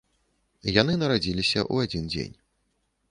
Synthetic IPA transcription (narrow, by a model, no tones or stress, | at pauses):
janɨnɐɾad͡zʲilʲisʲɐ̰ʔṵad͡zʲind͡zʲḛnʲ